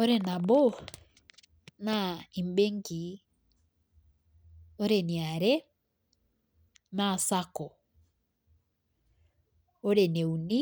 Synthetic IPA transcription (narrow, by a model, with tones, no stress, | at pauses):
ɔɾɛna˨bɔ | naimbe˦ŋki˨ | ɔ˦ɾɛni˨a˨ɾɛ | na˨sakɔ˨ | ɔɾɛnɛ˨u˨ni˦